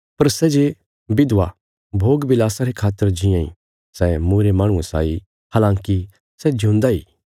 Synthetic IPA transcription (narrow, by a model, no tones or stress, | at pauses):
pɐɾsɛd͡ʒe | bɪd̪ʋa | bʱoːɡbɪlaːsaɾekʰaːt̪ːəɾd͡ʒɪjãḭ | sɛmuːɾemaːɽ̃ũesa̰ːi | haːlãːŋki | sɛd͡ʒʱũːnd̪aɦḭː